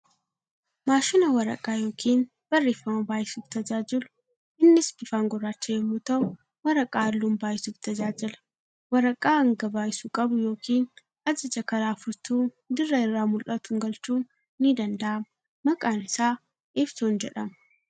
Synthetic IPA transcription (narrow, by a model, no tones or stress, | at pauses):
maːʃɪnɐwɐɾɐ̰kʼaːjo̞ːkʰiːn | b̥ɐrːeːfːɐmɐbaːjɪsuːft̪ɐd͡ʒaːd͡ʒɪlʊ̥ | ʔɪnːɪsbɪfaːŋɡɔrːaːt͡ʃːɐjɛmːut̪ɐʔʊ | wɐɾɐkʼaːɐlːuːnbaːjɪsuːft̪ɐd͡ʒaːd͡ʒɪlɐ̥ | wɐɾɐkʼaːɐŋɡɐbaːjɪsukʼɐbʊjo̞ːkʰiːn | ɐd͡ʒɪd͡ʒɐkɐɾaːfʊɾt̪uː | d̪ɪrːɐɪrːaːmʊlʔɐt̪ʊŋɡɐlt͡ʃuːnː | ɪd̪ɐnd̪ɐʔɐmɐ | mɐkʼaːnɪsaː | ʔɪft̪uːnd͡ʒɛᶑɐmɐ̥